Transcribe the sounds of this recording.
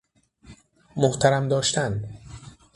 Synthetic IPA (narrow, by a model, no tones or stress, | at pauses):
moht̪ʰæɾæmd̪ɒːʃt̪æn